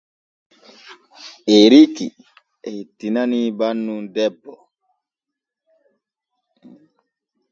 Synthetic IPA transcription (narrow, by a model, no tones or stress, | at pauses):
ʔeɾiki | ɛhitːinanibanːumdɛbːɔ